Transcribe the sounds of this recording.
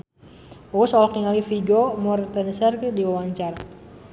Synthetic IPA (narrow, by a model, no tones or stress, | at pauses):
osɔlɔk̚niŋalifiɡomɔrt̪ənəsarkədiwawaɲt͡ʃar